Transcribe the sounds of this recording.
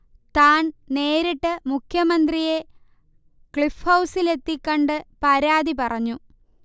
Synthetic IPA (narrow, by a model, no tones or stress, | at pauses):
t̪aːnne̞ːɾiʈːɨmukʰjɐmɐnd̪rije̞ | kɭifhɐwsile̞t̪ːikʲːoɳɖɨpɐɾaːðipɐrɐɲːu